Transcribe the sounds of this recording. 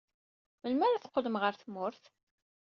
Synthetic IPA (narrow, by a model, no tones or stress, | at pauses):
məlmæɾaθqːəðəmʁəɾθmʊɾθ